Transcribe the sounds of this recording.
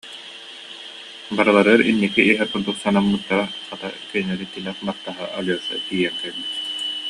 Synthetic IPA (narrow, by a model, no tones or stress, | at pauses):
baɾɯlˠaɾɯɾḭnːikiʔːɦɛquɾd̪uksanamːɯt̪ːaɾaχat̪a̰kɛnɛɾit̪ilɛχbaχt̪aɦɯʔalɔsa̰t̪ijɛŋkɛlbit̪